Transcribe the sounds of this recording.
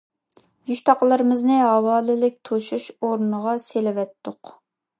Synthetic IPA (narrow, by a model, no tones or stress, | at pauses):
jykʲt̪ʰɑqlˠəɾɨmɪznɪɦɑwɑːlɪlɪk̚ʲt̪ʰoʃuʃoɾnəʁɑselɪwɛt̪ːʊq